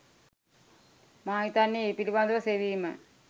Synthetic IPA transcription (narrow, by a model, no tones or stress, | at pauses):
maːit̪anːjeepiliband̪uʋəseʋiːmə̰